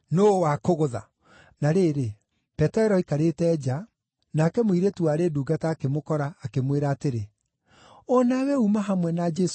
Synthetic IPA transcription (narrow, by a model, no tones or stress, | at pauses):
noːwakoɣoða | naɾeɾe | pɛtɛɾɔikaɾetɛːd͡ʒa | nakɛmoiɾetuaɾeduːɡataːkemokɔɾaːkemweɾaːteɾe | ɔnawɛumaɦamwɛnad͡ʒɛs